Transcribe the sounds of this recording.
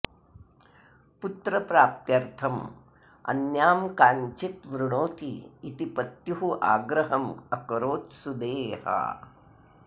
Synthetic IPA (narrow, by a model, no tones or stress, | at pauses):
put̪ɾɐpɾaːp̚t̪jɐɾt̪ʰɐm | ɐ̰njaːmkaːɲt͡ʃit̪ʋɾuɳoːt̪iːt̪ipɐt̪juɦuʔa̰ːɡɾɐɦɐmɐkɐɾoːt̪sud̪eːhɐ̰